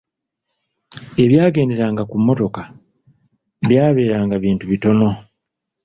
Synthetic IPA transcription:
e̞βjaːɡe̞ːnde̞ɾaːŋɡakumːo̞to̞ka | βjaːβe̞ːɾaːŋɡaβiːntuβito̞no̞

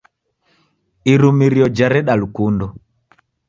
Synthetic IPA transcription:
iɾumiɾiɔd͡ʒaɾɛɗalukundɔ

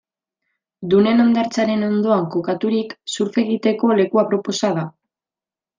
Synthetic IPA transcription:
d̪une̞no̞nd̪aɾt͡saɾe̞no̞nd̪o̞aŋko̞kat̪uɾiksuɾfe̞ɣit̪e̞ko̞le̞kuapɾo̞po̞sað̞a

